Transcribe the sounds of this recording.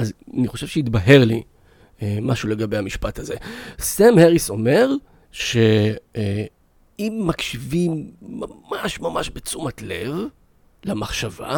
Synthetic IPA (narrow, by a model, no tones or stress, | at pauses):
azaniχo̞ʃev̥ʃeit̪baɦe̞ʁlḭ | maʃule̞ɡabe̞jhamiʃpathaze̞samheʁiso̞me̞ʁ | ʃe̞ | imːakʃivimːamaʃmamaʃbet͡sumatle̞v | lamaχʃava̰